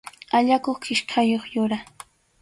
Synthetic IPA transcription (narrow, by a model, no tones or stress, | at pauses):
aʎakoχkɪʃkʰajoχjʊɾa